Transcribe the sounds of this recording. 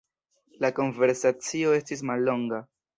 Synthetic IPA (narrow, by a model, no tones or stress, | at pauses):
lako̞nve̞ɾsat͡sio̞e̞stis̬malːo̞ŋɡa